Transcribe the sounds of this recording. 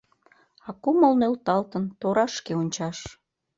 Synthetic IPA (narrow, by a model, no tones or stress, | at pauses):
ɑkuməlnølt̪ɑlt̪ənt̪oɾɑʃkeonʲt͡ɕɑʃ